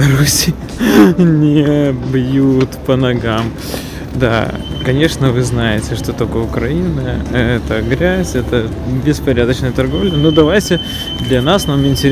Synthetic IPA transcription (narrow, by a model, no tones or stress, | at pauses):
ɐɾusʲij | nʲɪbjut̪pənɐɡam | d̪a̰kɐnʲe̞ʂnəvɨznajɪtʲɪʂt̪o̞t̪okəʊkɾɐinəɛt̪əɡɾʲæzʲɛt̪ə | bʲɪspɐɾʲad̪ət͡ɕnəjət̪ɐrɡo̞vlʲənod̪ɐvajtʲɪ | d̪lʲɐnasnamɪnʲtʲɪɾʲ